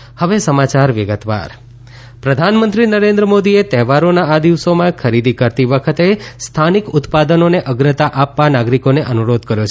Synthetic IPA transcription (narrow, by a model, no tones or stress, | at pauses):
həʋesəmat͡ʃaɾʋɪɡət̪ʋa̰ɾ | pɾəd̪ʱanmə̃nt̪ɾinəɾẽnd̪ɾəmod̪iet̪ɛɦʋaɾonaad̪iʋsomãkʰəɾid̪ʱikəɾt̪iʋəkʰət̪est̪ʰanikʊt̪pad̪ənoneʔəɡɾət̪aʔapʋanaɡɾikoneʔənuɾod̪kəɾjot͡ʃʰ